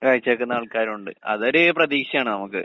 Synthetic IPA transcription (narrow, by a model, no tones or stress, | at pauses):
kaːɻt͡ɕːɐkːɨnaːɭkaːɾuɳɖɨ̰ɐ̰ðoɾeprɐðiːkʂɐaːɳɨnɐmukːɨ̰